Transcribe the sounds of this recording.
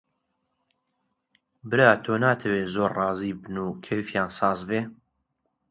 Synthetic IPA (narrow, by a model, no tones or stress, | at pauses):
bɨɾaːt̪ʰoːnaːt̪ʰɐweːzoːɾrɑːziːbɨnuːkʰefjaːnsɑːzbeː